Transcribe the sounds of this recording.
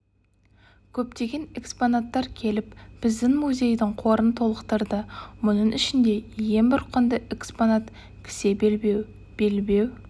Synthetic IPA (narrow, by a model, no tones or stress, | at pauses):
kʲʰɵpt̪e̞ɡʲe̞ne̞kspo̞nat̪ːɑɾkʲʰe̞lɪpb̥ɪzd̪ɪŋmuzʲe̞jd̪ɪɴqʰo̞ɾənt̪ʰo̞lˠəqt̪ɑɾd̪əmʊnəɴɪʃɪnd̪e̞je̞ŋbɪɾqʰənd̪əʔeksponat̪ | kʲʰɪ̥se̞b | b̥elbe̞w